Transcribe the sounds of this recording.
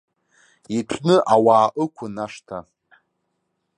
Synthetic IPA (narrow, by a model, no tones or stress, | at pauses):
iʈ͡ʂʷʰnɨʔawaːʔɨkʷʰʊnaʂtʰa